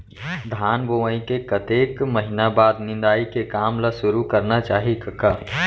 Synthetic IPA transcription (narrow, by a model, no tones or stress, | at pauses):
d̪ʱaːnboːʋaĩkekɐt̪eːkməɦɪnabaːd̪nɪ̃nd̪aːikekaːmlaʃʊɾukɐɾnat͡ʃaːɦikɐkːaː